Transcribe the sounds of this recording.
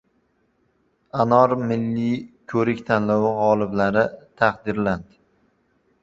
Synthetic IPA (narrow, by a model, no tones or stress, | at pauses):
anɒɾmɪlːikʲʰɵɾɪkʲt̪ʰanlɒwɪʁɒlˠɪblaɾɪt̪ʰaqd̪ɪɾland̪ɪ